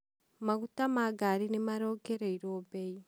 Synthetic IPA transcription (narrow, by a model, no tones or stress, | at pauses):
maɣutamaɡaɾinemaɾoɡeɾeiɾobei